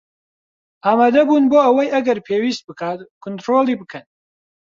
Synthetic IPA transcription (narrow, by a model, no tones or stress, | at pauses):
ʔaːmaːd̪ɐbuːnboːɐwɐjʔɐɡɐɾpʰeːwiːst̪̚bɨkʰaːt̪kʰʊnt̪ɾoːlˠibɨkʰɐn